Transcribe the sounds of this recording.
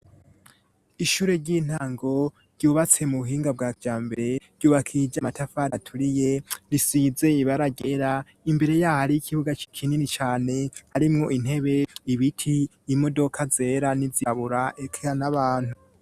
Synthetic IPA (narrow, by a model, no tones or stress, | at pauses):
iʃuːɾe̞ɾɟiːn̥haːŋɡo̞ | ɾɟ̥uːβat͡se̞muβuɦiːŋɡab̚ɡajaːmbe̞ɾe̞ɾ̥ɟuːβakʰid͡ʒamatafaɾatʰuɾijeɾisiːze̞iβaɾaɡe̞ɾa | imbe̞ɾe̞jaːhaɾijikʰiβuɡat͡ʃikʰininit͡ʃaːne̞haɾimŋo̞ʔin̥he̞βe̞iβitʰi | imo̞do̞kʰaze̞ɾanizaβuɾaʔekʰanaβaːn̥hu